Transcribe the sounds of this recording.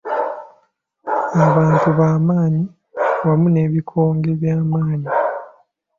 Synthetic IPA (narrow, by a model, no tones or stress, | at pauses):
aβaːntuβaːmaːɲi | βamune̞ːβikʰo̞ːŋɡe̞βjaːmaːɲi